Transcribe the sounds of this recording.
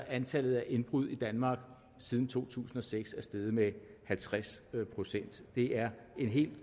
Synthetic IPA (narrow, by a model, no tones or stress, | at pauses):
ænt͡sʰæl̰ð̞̩ˠæʔe̝nb̥ʁuð̞̰ˠid̥ænmɑ̈ːɡ̥ | sið̞ˠn̩t͡sʰo̝̰ːt͡sʰṵːsn̩ɒ̽seɡ̥sæɐsd̥eð̞ˠəmehælt͡sʰʁaspʰʁo̝sen̰d̥d̥e̝ʔæɐ | e̝nɦe̝̰ːld̥